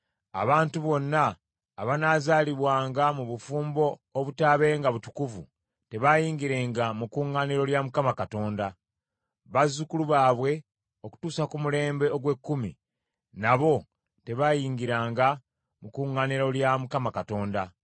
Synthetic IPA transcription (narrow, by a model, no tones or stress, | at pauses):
a̰βaːntuβo̞nːaː | βanaːzaːliβwaːŋɡamuβufuːmbo̞ːβutaːβe̞ːŋɡaβutu̥kuvṵ | te̞βajiːŋɡiɾe̞ːŋɡamukuːŋːaniɾo̞ljamukamakato̞ːnda | βazukuluβaːβwe̞ | o̞ku̥tuːsakumule̞ːmbe̞oɡwe̞kːumḭ | naβo̞ | te̞βajiːŋɡiɾaːŋɡa | mukuːŋːaːniɾoljamukamakato̞ːnda